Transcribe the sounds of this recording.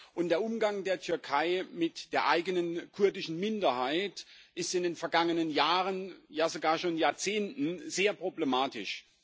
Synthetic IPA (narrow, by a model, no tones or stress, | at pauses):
ʔʊnt̚d̥eːɐʔʊmɡaŋdeːɐtʰʏɐkʰaɪmɪtd̥eːɐʔa̰ɪɡənənkʰʊɐdɪʃn̩mɪndɐhaɪtʔɪstɪndeːnfɛɐɡaŋənənjaːʁənjaːzoɡaːɐʃoːnjaːɐt͡seːntn̩zeːɐpʁ̥oblemaːtɪʃ